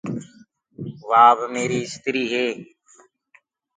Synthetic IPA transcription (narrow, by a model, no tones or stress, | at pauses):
ʋaːbmeːɾiːɪst̪ɪɾiːɦeː